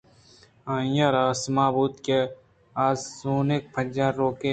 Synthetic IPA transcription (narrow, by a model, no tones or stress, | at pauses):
ãːjaɾaːsmãːbuːt̪ke | aːzsuːnek̚pʰɐd͡ʒaːɾoːkeː